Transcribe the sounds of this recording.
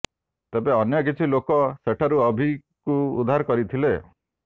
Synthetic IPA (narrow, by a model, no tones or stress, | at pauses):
t̪ebeɔnjɔk̬it͡ʃʰilokɔseʈʰaɾuɔbʱi | kuṵd̪ʱːaɾkɔɾit̪ʰile